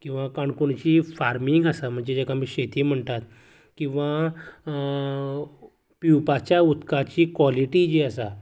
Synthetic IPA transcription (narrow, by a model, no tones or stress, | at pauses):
kĩw̃ʋakaɳkuɳt͡ɕiːfaɾmiŋɡasam̤əɳd͡ʑed͡ʑɛkamiːɕet̪iːm̤əɳt̪at̪ | kĩw̃ʋa | piwpat͡ɕjaut̪kat͡ɕiːkʋɔliʈid͡ʑiəsa